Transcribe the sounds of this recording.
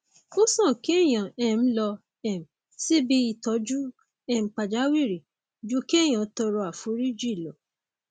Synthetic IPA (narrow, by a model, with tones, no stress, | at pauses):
o˦sɔ̃˦˨ki˦ɛ˦˨j̃ã˨ɛ˦˨m̩˨˦lɔ˧ | ɛ˨m̩˨ | si˦bi˦i˧˨tɔ˨˦d͡ʒu˦ | ɛ˦˨m̩˨k͡pa˨d͡ʒa˨˦wi˦˨ɾi˨ | d͡ʒu˦ki˦ɛ˦˨j̃ã˨˦tɔ˧ɾɔ˧˦a˨fu˨˦ɾi˦d͡ʒi˦˨lɔ˨˦